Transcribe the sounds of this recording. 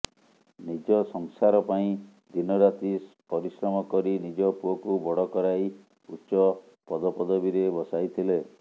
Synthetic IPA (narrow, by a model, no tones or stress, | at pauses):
nid͡ʒɔsɔŋsaɾɔpaĩ | d̪inɔɾat̪is | pɔɾisɾɔmɔkɔɾinid͡ʒɔpuɔkubɔɽɔkɔɾaj | utːt͡ʃːɔ | pɔd̪ɔpɔd̪ɔbiɾebɔsajt̪ʰile